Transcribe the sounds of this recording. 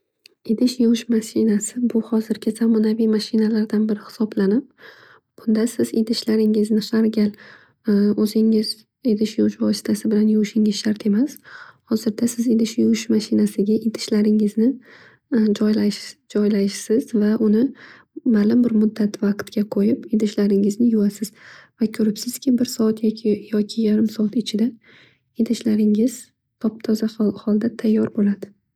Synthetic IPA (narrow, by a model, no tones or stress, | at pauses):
ed̪ɪʃjoʃmaʃɪnasɪbʊhɒzɪɾɡʲɪz̥amɒnavijmaʃɪnalaɾd̪anbɪɾɪhɪ̥sɒblanɪp̚ | b̥ʊnd̪asɪzed̪ɪʃlaɾɪŋɪznɪʃaɾɡʲal | ɵzɪŋɪz | ed̪ɪʃjoʃvɒsɪ̥t̪ʰasɪbɪlanjʊwʃɪŋɪz̥ʃaɾt̪ʰe̞mashɒzɪɾd̪asɪzed̪ɪʃjowʃmaʃɪnasɪɡʲaʔed̪ɪ̥ʃlaɾɪŋɪznɪ | d͡ʒɒjlad͡ʒɒjlaʃsɪzvaʔʊnɪ | malʊmbɪɾmʊd̪ːat̪vɑqt̪kʲaqʰojɪped̪ɪʃlaɾɪŋɪznɪjʊasɪz̥vakʲʰɵɾɪpsɪz̥kʲɪbɪɾsɒat̪jakʲʰɪjɒkʲʰɪjaɾɪmsɒat̪ɪt͡ʃʰɪd̪a | ed̪ɪʃlaɾɪŋɪz̥ | t̪ʰɒp̚t̪ʰɒzahɒlˠd̪at̪ʰajːɒɾbolad̪ɪ